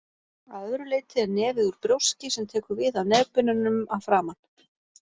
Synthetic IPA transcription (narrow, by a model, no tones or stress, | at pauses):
aððɾʏleːjt̪ɪɛɾnɛːvɪðuɾ̥pɾjowscɪsɛmt̪ʰɛːkʏɾvɪðawnɛːpʏnʏnʏmawfɾaːman̥